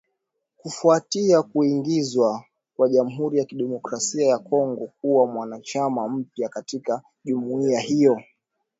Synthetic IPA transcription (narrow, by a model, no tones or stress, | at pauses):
kufuatiakuiŋɡizwa | kwaʄam̩ɦuɾijakiɗɛmɔkɾasiajakɔŋɡɔk̚uwamwanat͡ʃamam̩pjakatika | ʄumuiahijɔ